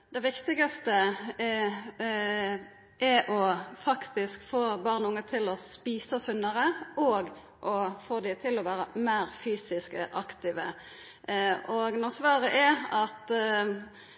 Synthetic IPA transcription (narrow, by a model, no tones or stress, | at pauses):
d̪̥ɛʋɪkt̪ɪɡɑst̪ə | ʔɛʔɔfɑkt̪ɪskfoːbɑʁnəʊŋːət̪ʰɪlɔspiːsəsʉnɑɾəɔɡ | ʔɔfoːd̪ɪt̪ʰɪlɔʋæːɾəmæːɾfyːsɪskəʔɑkt̪ɪːʋə | ʔɔɡnɔsʋɑːʁəʔɛɑt̪